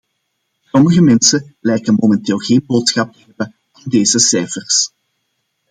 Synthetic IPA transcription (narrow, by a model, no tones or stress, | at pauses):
sɔməɣəmɛnsəlɛjkənmomɛnteːlˠɣeːnboːtsxɑp̚təɦɛbə | vɔrdeːzəsɛjfərs